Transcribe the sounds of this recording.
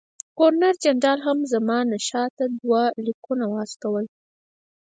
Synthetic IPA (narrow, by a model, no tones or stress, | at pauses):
koɾnaɾd͡ʒaɳɖɑlɦamzamɑnaʃɑt̪ad̪walikunawɑst̪awəl